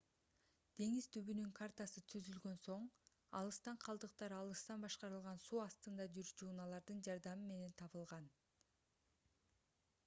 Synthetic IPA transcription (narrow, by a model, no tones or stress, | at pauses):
d̪̥e̞ŋiz̥t̪ʰyβynyŋkʰart̪ɑsɯt̪ʰyzylɡø̞nso̞ɴ | ɑ̰lˠɯst̪ɑɴqʰɑlˠd̪ɯq̚t̪ɑɾɑlˠɯst̪ɑnbɑʃqɑɾɯlˠʁɑnsuːɑst̪ɯnd̪ɑd͡ʒyɾd͡ʒuːnɑlˠɑɾd̪ɯnd͡ʒɑɾd̪ɑmɯme̞ne̞nt̪ʰɑβɯlˠʁɑn